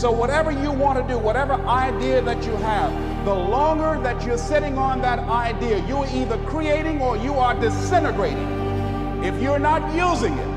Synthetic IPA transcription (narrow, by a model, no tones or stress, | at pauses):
soʊwʌɾɛvə˞jɨwɑ̃ntɨdɨwʌɾɛvə˞ʔaɪdiɨðɨt͡ʃɨəv | ðəlɔ̃ŋɡə˞ðɨt͡ʃə˞sɪɾɪ̃ŋə̃nðɨɾaɪdiɨjəiðə˞kʰɹ̥ieɪɾɪ̃ŋə˞jɨə˞dɨsɛnɨɡɹeɪɾɪ̰̃ŋ | ɪfjə˞nət̚juzɪ̃ŋɪ̰t̚